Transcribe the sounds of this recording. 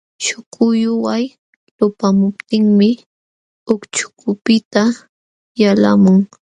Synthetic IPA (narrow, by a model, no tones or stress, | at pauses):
ʃʊkʰʊjʊwaj | lʊpamʊp̚t̪ɪŋmɪ | ʊkt͡ʃʊ̥kʰʊpɪt̪a | jala̰mʊŋ